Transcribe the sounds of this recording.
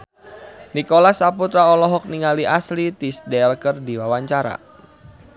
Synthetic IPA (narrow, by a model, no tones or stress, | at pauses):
nikɔlasaput̪ɾaɔlɔɦɔk̚niŋaliʔaslit̪isdɛlkərdiwawaɲt͡ʃaɾa̰